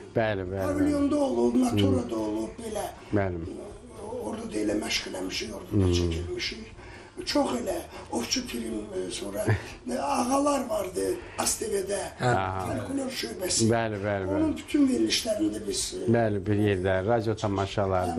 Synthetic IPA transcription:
b̥ælɪbælvilʲijond̪aolˠupnat̪ʰoɾad̪aolˠup̚belæ | bæl | oɾd̪ad̪elɛmæʃkilamiʃiɾoɾd̪ad̪t͡ʃilmiʃi | t͡ʃʰoχelæoft͡ʃʰut̪ʰiɾimsoɾɑ | ɑɣɑlˠɑɾvɑɾd̪ɯɑst̪ʰeved̪æɦ̪elkʰolʲoɾt͡ʃøɾbæsbælɪbæleonunby̥t̪ʰynveɾiliʃlæɾind̪æbizbælɪbiɾjeɾd̪æɾɑd̪jot̪ʰɑmɑʃɑlˠɑɾ

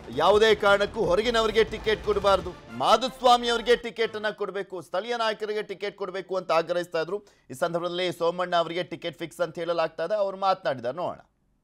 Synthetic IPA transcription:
jaːʋud̪eːkaːɾɐɳɐkːuɦɔɾɐɡinɐʋɐɾiɡe̞ʈike̞ːʈ̚koɽibaːɾd̪umaːd̪usʋaːmiɐʋɐɾiɡe̞ʈike̞ːʈɐnːɐkɔɽbe̞ːkust̪ʰɐlijɐnaːjɐkɐʋiɡe̞ʈike̞ːʈ̚koɽbe̞ːkuɐnt̪ɐaːɡɾɐɦist̪aːjd̪ɾu | iːsɐnd̪ʱɐɾbɐd̪ɐlːisoːmɐɳːɐːʋɐɾiɡe̞ʈikeʈpʰiksɐnt̪ɐɦeːɭɐlaːɡ̚t̪aːjd̪eɐʋɐɾumaːt̪naːɽid̪aːɾenoːɽo̰ːɳɐ̰

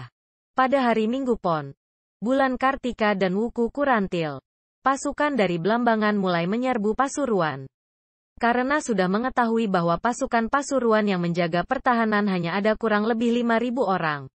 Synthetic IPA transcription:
padaɦaɾimiŋɡupɔn | bulankart̪ikadanwukukuɾant̪ɪl | pasukandaɾibəlambaŋanmulajməɲərbupasuɾuan | kaɾənasudahməŋət̪aɦuibaɦwapasukanpasuɾuanjaŋməɲd͡ʒaɡapərt̪aɦananɦaɲaːdakuɾaŋləbɪhlimaɾibuoɾaŋ

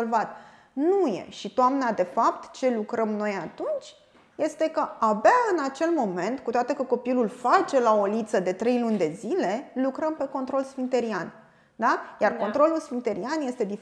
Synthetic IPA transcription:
olvat̪ | nujḛʃit̪oamnad̪e̞fapt̪t͡ʃe̞lukɾəmno̞jat̪unt͡ʃʲ | je̞st̪e̞kəabaɨnat͡ʃe̞lmo̞me̞nt̪kut̪oat̪e̞kəko̞pilulfat͡ʃe̞lao̞lit̪səd̪e̞t̪ɾe̞jlunʲd̪e̞zile̞lukɾəmpe̞ko̞nt̪ɾo̞lsfint̪eɾian | d̪ajarko̞nt̪ɾo̞lulsfint̪e̞ɾianje̞st̪e̞d̪if

